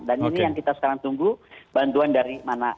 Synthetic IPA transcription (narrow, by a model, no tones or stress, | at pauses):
daninijaŋkit̪asə̥kaɾaŋt̪uŋɡub̥ant̪uandaɾimana